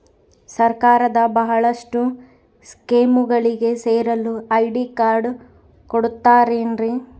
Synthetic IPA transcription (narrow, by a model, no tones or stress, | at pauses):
sɐɾkaːɾɐd̪ɐbɐɦɐɭɐʂʈu | skeːmuɡɐɭiɡe̞seːɾɐluɐjɖikaːɾɖ | koɽut̪ːaːɾeːnɾi